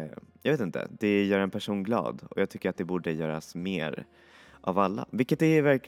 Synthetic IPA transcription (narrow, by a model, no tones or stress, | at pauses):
jɑːveːt̪ɪnt̪ʰə̰d̪ɛjœːɾɛnpʰæʂuːnɡlɑ̰ːd̪ɔjɑːɡt̪ʰʏkːəɾat̪̚d̪ɛbuːɖəjœːɾa̰smeːɾ | ʔavalːa̰vɪlkːət̪d̪ɛvæɾk